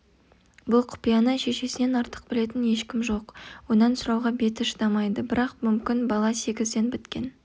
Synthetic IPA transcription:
bʊlˠqʰʊ̥pijɑnəʃe̞ʃe̞sɪne̞nɑɾt̪ə̥q̚bɪle̞t̪ɪnje̞ʃkʲɪmʒo̞qwo̞nɑnsʊɾɑwʁɑbe̞t̪ɪʃd̪ɑmɑjd̪əbɪɾɑqmʏmkʲɪnbɑlˠɑse̞ɡʲɪzd̪e̞nbɪt̪kʲe̞̰n

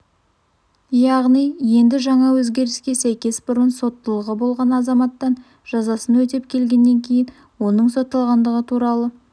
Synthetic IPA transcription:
jɑʁnijje̞nd̪ɪʒɑɴɑwɵzɡʲe̞ɾɪskʲe̞sæjkʲe̞sbʊɾənso̞t̪ːəlˠəʁəbo̞lˠʁɑnɑzɑmɑt̪ːɑn | ʒ̥ɑzɑsənwɵt̪e̞p̚kʲʰe̞lɡʲe̞nːe̞ŋkʲʰe̞jɪn | wo̞nəɴsot̪ːɑlˠʁɑnd̪əʁət̪ʰuɾɑlˠə

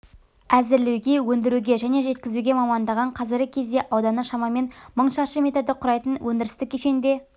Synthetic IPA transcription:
æzɪɾlewɡʲe̞wɵnd̪ɪɾuɡʲe̞ʒæne̞ʒe̞t̪kʲɪzuɡʲe̞mɑmɑnd̪ɑʁɑɴqʰɑzɪɾɡʲɪkʲʰe̞zd̪e̞ʔɑwd̪ɑnəʃɑmɑme̞nməɴʃɑʃəmʲe̞t̪ed̪əqʰʊɾɑjt̪ənwʔɵnd̪ɪɾɪst̪ɪkʲʰːeʃe̞nd̪e̞

